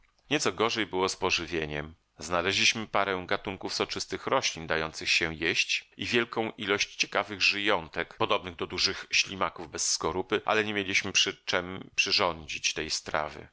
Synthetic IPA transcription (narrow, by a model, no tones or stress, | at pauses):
ɲɛt̪sɔɡɔʐɛjbɘwɔspɔʐɘvʲjeɲɛm | znalɛʑlʲiɕmɘpaɾɛ̃w̃ɡat̪uŋkufsɔt͡ʂɘst̪ɘxɾɔɕlʲind̪ajɔnt̪sɘxɕɛjeɕt͡ɕivʲjɛlkɔ̃w̃ʔilɔɕt͡ɕt͡ɕɛ̥kavɘɣʐɘjɔnt̪ɛkpɔd̪ɔbnɘɣd̪ɔd̪uʐɘxɕlʲimakuvbɛsːkɔɾupɘʔa̰lɛɲemjelʲiɕmɘpʂɘt͡ʂɛmpʂɘʐɔɲd͡ʑit͡ɕt̪ɛjst̪ɾa̰vɘ̰